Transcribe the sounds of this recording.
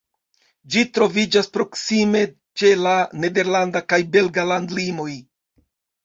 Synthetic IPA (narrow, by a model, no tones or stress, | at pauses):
d͡ʒitɾo̞vid͡ʒaspɾo̞ksime̞ | t͡ʃe̞lane̞de̞ɾlandakajbe̞lɡalandlimo̞j